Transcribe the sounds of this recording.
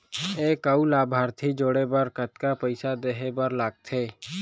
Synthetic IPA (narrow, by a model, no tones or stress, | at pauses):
eːkəulaːbʱaːɾt̪ʰid͡ʒoːɽebəɾkət̪kapəɪsad̪eɦebəɾlaːɡ̚t̪ʰeː